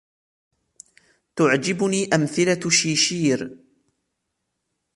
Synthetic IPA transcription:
t̪ʊʕd͡ʒɪbʊniːʔamθɪlaʃiːʃiːɾ

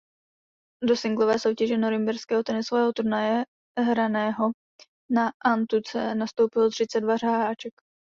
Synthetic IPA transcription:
do̞sɪŋɡlovɛːso̞wcɛʒɛnoɾɪmbɛɾskɛːɦot̪ɛnɪsovɛːɦot̪uɾnajɛ | ɦɾanɛːɦo̞ | naʔant̪ut͡sɛnast̪o̞wpɪlot̪r̝̥ɪt͡sɛdvar̝aɦaːt͡ʃɛk

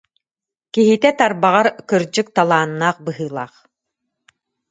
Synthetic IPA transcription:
kiɦit̪ɛt̪aɾbaʁaɾkɯɾd͡ʑɯk̚t̪alˠaːnːaːχbɯɦɯːlˠaːχ

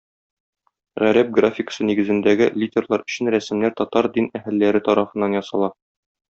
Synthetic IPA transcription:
ʁæɾæp̚ɡrafʲɪkə̥sɤniɡɘ̆zɘ̆nd̪æɡɘlʲidʲerlˠɑɾɵ̆ɕɘnɾæsɘ̆mnæɾt̪ɒt̪ɑɾd̪inæhɘ̆lːæɾɘt̪ɒɾɑfɤ̆nːɑnjɒsɑlˠɑ

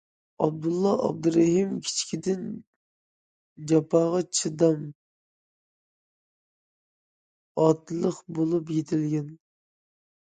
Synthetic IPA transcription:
ɑb̚d̪ulˠːɑɑ̰b̚d̪ɨɾeɦimkʲʰi̥t͡ʃʰi̥kʲʰid̪ɪn | d͡ʒɑpʰɑːʁɑt͡ʃʰɨd̪ɑm | ɑt̪lˠəqbolˠup̬jet̪ʰɪlɡʲɛn

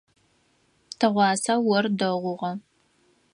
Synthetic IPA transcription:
tʰɐʁʷɑːsɐwɔrdɐʁʷʊʁɐ

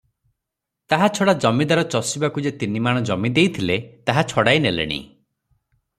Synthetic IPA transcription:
t̪aɦat͡ʃʰɔɽad͡ʒɔmid̪aɾɔt͡ʃɔsibakud͡ʒet̪inimaɽ̃ɔd͡ʒɔmid̪ejt̪ʰilet̪aɦat͡ʃʰɔɽajnelḛɽ̃ḭ

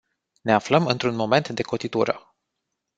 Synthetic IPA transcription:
ne̞afləmɨnt̪ɾunmo̞me̞nt̪d̪e̞ko̞t̪it̪uɾə̰

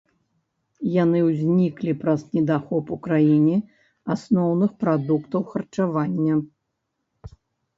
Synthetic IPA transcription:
janɨwzʲnʲiklʲipɾɐznʲɛd̪axɔpukɾajinʲɛ | asnɔwnɨxpɾad̪ukt̪ɐwxɐrt͡ʂavanʲːɐ

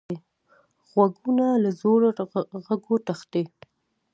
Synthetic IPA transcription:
e | ɣwaɡunalazoɽɣaɡoʈ̪axt̪e

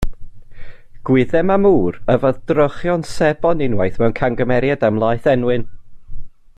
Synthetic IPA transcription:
ɡ̥wɪðɛmamuːrəvɔðdrɔχjɔnsɛbɔnɪnwajθmɛwnkʰaŋɡəmɛɾjadamlˠajθɛnwɨn

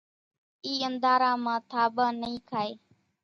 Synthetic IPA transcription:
iːənd̪aːɾãːmãːt̪ʰaːbaːnəĩːkʰaːeː

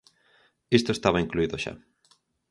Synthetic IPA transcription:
ist̪oest̪aβaiŋkluiðoʃa̰

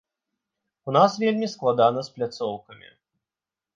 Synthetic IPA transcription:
unasvʲelʲmʲisklˠad̪anɐsplʲat̪sɔwkɐmʲḭ

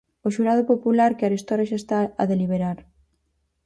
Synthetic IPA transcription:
oʃuɾað̞opopulaɾkeaɾist̪ɔɾaʃaest̪aaðeliβ̞eɾaɾ

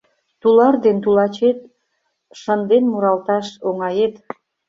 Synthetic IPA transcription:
t̪ulɑrd̪ent̪ulɑt͡ɕet̪̚ | ʃənd̪enmuɾɑlt̪ɑʃoŋɑjet̪

